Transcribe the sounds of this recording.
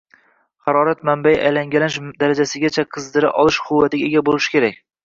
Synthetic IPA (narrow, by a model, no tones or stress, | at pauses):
χɑɾɒɾat̪̚mambajʔajlaŋɡʲalanɪʃd̪aɾad͡ʒasɪɡʲat͡ʃʰaqʰɨzd̪ɪɾɪ̰ʔɒlˠɪʃqʰʊwːat̪ɪɡʲaeɡʲabolɪʃɪ̥kʲʰe̞ɾak̚ʲ